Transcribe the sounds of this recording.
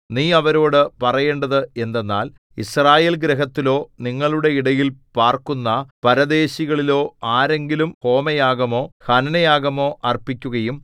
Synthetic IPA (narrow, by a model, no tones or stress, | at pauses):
niːɐʋɐɾo̞ːɽɨpɐrɐje̞ːɳɖɐðɨe̞nd̪e̞nːaːl | israːje̞ːlɡɾeɦɐt̪ːilo̞ːniŋːɐɭuɽe̞iɽɐjilpaːrkunːɐpɐɾɐd̪e̞ːɕiɣɐɭilo̞ːaːɾe̞ŋɡilumho̞ːmɐjaːɡɐmo̞ːhɐnɐnɐjaːɣɐmo̞ːʔɐrpikʲːuɣɐjum